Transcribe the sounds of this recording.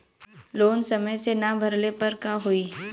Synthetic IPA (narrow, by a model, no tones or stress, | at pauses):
loːnsɐməjsenabʱɐɾlepɐɾkaɦoiː